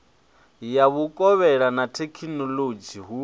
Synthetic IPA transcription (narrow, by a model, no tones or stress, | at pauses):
jaβukʼɔβɛɺanatʰekʰinɔlod͡ʒiɦu